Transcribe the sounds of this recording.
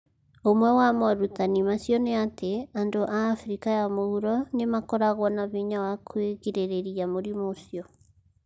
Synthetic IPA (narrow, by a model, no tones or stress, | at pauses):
omwɛwamɔɾutanimasjɔneateandoʔaːfɾikajamouɾɔnemakɔɾaɣwɔnaβiɲawakʰweɣeɾeɾeɾijamoɾimosjɔ